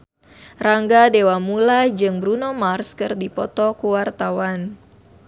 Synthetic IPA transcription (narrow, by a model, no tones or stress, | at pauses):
raŋɡadewamulad͡ʒɨŋbɾunɔmarskɨrdipɔt̪ɔkuwart̪awan